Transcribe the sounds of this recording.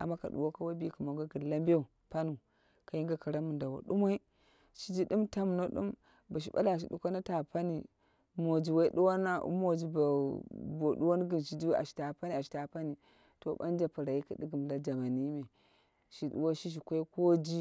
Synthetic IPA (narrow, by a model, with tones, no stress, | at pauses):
a̰˨mːa˦ka̰˨ɗṵ˨wo˦ka˦wa˦bi˦˨ku˨mo˨˦ɡa˦ɡi˨la˦mbe˦u˨ | pa˦nu˨ | ka˨ji˦ŋɡa˦ka˨ɾa˦mu˨nda˨wa̰˨ɗu˦ma˦i˦ | ʃi˦d͡ʒi˦di˦mta˦m˨no˦ɗṵ˦m | ba˨ʃ̬i˦ɓa̰˦la˨ʃ̬i˨ɗu˨˦kʷa˦na˦ta˨pa˦ni˨ | mo˨d͡ʒi˨wa˦i˦ɗu˦wa˦na˦ṵ˦mo˨d͡ʒi˨ba˨bo˨ɗu˦wa˦n˦ɡi˨nʃi˦d͡ʒi˦a̰˨ʃi̥˨ta˨pa˦ni˦˨a˨ʃi̥˨ta˨pa˦ni˨ | to˨ba̰˦n˦d͡ʒa˨pa˨ɾa˨ji˦ka˨di˦ɡi˨m˨da˦d͡ʒa˨ma˨ni˦me˨ | ʃi˨ɗṵ˨wa˦ʃi˦ʃ̬i˨kʷa˦ko˦d͡ʒi˦